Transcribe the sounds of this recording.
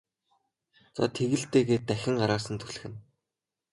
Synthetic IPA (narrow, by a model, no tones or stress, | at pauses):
t͡sa̰t̪ʰeɣɘ̆ɮt̪eːɣeːt̪ːæxʲɪ̆ŋɢaɾaːsə̆nt̪ʰu̥ɮɘ̆xɘ̆n